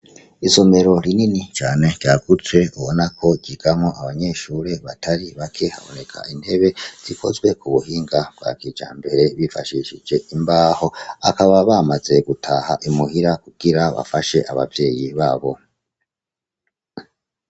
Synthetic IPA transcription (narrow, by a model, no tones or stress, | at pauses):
iso̞me̞ɾo̞ɾininit͡ʃaːne̞ɟ̥aːɡut͡swe̞uβonakʰo̞ɟiɡ̥amoʔaβaɲe̞ːʃuːɾe̞βataɾiβakʰe̞ha̰βo̞ne̞kʰa̰inde̞βe̞z̥ikʰo̞zɡwe̞kuβuhiːŋɡab̥ɡa̰ːkid͡ʒa̰ːmbe̞ɾe̞βifaʃiʃid͡ʒe̞ʔimbaːho̞a̰kaβaβaːmaze̞ɡutʰahaʔimuhiɾakuɡ̥iɾaβa̰faʃe̞ʔaβa̰vje̞ːjiβaːβo̞